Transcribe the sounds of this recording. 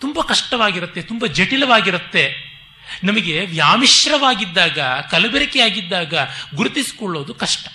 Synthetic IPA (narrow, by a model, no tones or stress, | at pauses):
t̪umbɐkɐʂʈɐʋaːɡiɾɐt̪ːe̞t̪umbɐd͡ʒeʈilɐʋaːɡiɾut̪ːe̞ | nɐmɐɡe̞ʋjaːmiʃɾɐʋaːɡid̪ːaːɡɐkɐlɐbɛɾɐkɛjaːɡid̪ːaːɡɐɡuɾut̪isi̥koɭːo̞ːd̪ukɐʂʈɐ̥